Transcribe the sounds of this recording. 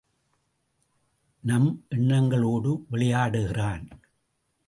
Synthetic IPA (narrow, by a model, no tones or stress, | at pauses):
nɐmʔɛɳːɐŋɡɐɭoːɽɯʋɛɭɪjaːɽɯɣɪraːn